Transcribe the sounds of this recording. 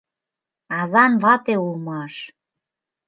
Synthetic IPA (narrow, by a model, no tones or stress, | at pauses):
ɑzɑnβɑt̪eulmɑʃ